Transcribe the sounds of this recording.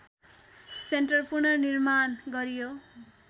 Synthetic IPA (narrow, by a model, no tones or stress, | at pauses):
senʈʌrpurnʌnirmanɡʌɾijo